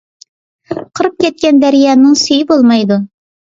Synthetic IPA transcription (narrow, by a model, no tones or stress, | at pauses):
qʰɨɾɨp̚kʲɛt̪̚kʲɛnd̪æɾjɑːnɪŋsyjɪbolˠmɑjd̪u